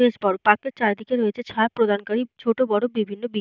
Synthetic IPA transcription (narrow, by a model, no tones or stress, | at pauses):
eʃbɔɾpaket͡ɕaɾd̪ikeɾoet͡ɕʰet͡ɕʰapɾod̪ʱankaɾit͡ɕʰoʈobɔɽobibʱinːobi